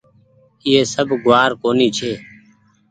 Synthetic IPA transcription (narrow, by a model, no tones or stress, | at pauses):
ɪːeːsəbʱɡʊʋaːɾkoːniːt͡ʃʰeː